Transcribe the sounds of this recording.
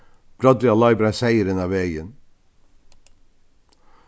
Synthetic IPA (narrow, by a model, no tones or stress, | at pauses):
b̥ɾɑd̪ɾɪɑlɑɪbɾæsæɪəɾənɑːʋeɪən